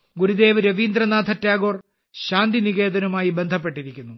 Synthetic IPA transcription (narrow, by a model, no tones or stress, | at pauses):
ɡuɾud̪e̞ːʋɐɾɐʋiːnd̪rɐnaːd̪ʰʱɐtːaːɡo̞ːr | ɕaːnd̪iniɣe̞ːd̪ɐnɐmaːjibe̞nd̪ʱɐp̬ːe̞ʈːiɾikʲːunːu